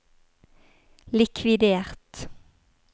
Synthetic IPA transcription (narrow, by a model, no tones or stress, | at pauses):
lɪkʰʋɪd̪eːʁt̪